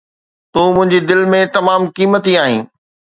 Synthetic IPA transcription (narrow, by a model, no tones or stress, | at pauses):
t̪oːmʊ̃ɦɪ̃ɲd͡ʑid̪ɪlmẽt̪ɐmaːmkiːmət̪ĩaːɦḭ̃ː